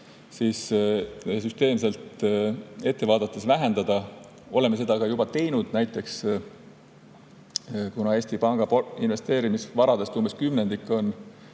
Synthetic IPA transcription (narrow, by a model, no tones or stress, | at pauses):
siːs | syst̪e̞ːmse̞lt̪ | e̞t̪ːe̞vɑːd̪̥ɑt̪ːˑesvæɦend̪ɑd̪̥ɑ | o̞lemese̞d̪̥ɑkɑjubɑt̪e̞jnud̪̥næjt̪ːˑe̞ks | kunɑe̞ːsʲt̪ipɑŋɡ̥ɑpoinve̞st̪e̞ːɾimisvɑɾɑd̪e̞st̪umb̥e̞skymnend̪ikːˑo̞n